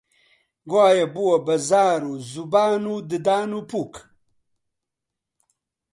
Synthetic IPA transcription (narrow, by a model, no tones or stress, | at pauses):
ɡwaːjɐbuwɐbɐzaːɾuzubaːnud̪əd̪aːnupuk